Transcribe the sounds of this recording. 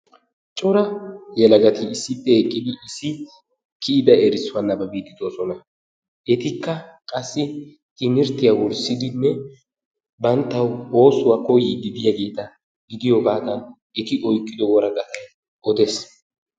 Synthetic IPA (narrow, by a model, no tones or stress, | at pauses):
t͡ʃʼɔɾɐjɛlɐɡɐt̪ɪːsːɪpːɛhɛkʼːɪd̪ɪɪsːɪ | kʰɪɪd̪ɐɛɾɪsʊwɐnːɐbɐbiːt̪ːɪd̪oːsɔnɐ | ʔɛt̪ɪkːɐkʼɐsːɪ | t̪ɪnɪɾt̪ɪjawɔɾsɪd̪ɪnːɛ | bɐnt̪ːɐwo̞ːsʊwakɔjɪɡɪd̪ɪjaːɡe̞ːt̪ɐ | ɡɪd̪ɪjɔbaːd̪ɐn | ɛt̪ɪʔɔjkʼːɪd̪ɔwɔɾɐɡɐt̪ɐ | ɔd̪ɛs